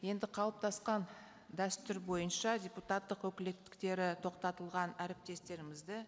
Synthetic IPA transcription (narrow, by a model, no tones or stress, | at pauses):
je̞nd̪ɪqʰɑlˠəp̚t̪ʰɑsqɑn | d̪æst̪ʏɾbo̞jənʃɑdʲe̞put̪ɑt̪ːəqwɵkʲɪlekt̪ɪ̥kt̪e̞ɾɪt̪ʰo̞qt̪ɑt̪əlˠʁɑnæɾɪp̚t̪e̞st̪e̞ɾɪmɪzd̪ɪ